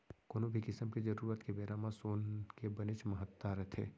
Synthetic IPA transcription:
koːnobʱikɪsəmked͡ʒɐɾuːɾət̪kebeːɾamasoːnkebɐnet͡ʃmɐɦət̪ːaɾɐt̪ʰḛː

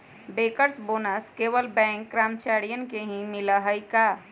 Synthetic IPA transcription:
beːkəɾsboːnəskeːwəlbɛ̃ːŋkːɾaːmt͡ʃaːɾijənkeɦĩmɪləɦəika

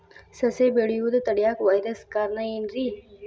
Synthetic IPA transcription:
sɐsebeɽijud̪t̪ɐɽjaːkʋaːjɾəskaːɾnainɾi

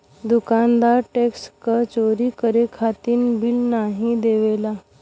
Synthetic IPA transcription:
d̪ukand̪aɾʈekskət͡ɕoɾiːkəɾekʰat̪iːnbilnaɦĩd̪eʋela

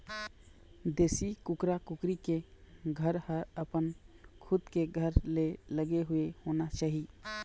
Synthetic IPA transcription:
d̪eːsikʊkɾakʊkɾikeɡʱəɾhəɾəpənkʰʊd̪keɡʱəɾleləɡeɦʊehonat͡ʃaːɦi

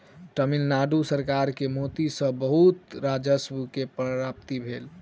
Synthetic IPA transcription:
ʈəmilnaɖusəɾkaɾkemot̪isə̃bəɦut̪ɾad͡ʒəsbukepɾəɾapt̪ibʱel

